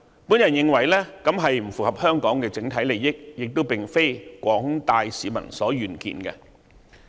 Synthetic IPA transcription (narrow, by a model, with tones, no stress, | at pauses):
puː˨˥njɐ˨njɪ˧ŋwɐ˨˩jlɛ˥kɐ˨˥mɦɐ˨jm̩˨˩fuː˨˩khɐ˨p̚hœː˥ŋkɔː˨˥ŋkɛː˧t͡sɪ˨˥ŋt̪ʰɐ˨˥jle˨jːɪ˥k̚jɪ˨k̚t̪o˥wpɪ˨˩ŋfe˥jkʷɔː˨˥ŋt̪aː˨jsiː˨˥mɐ̰˨˩nsɔː˨˥jyː˨nkḭː˨˩nkɛ̰˧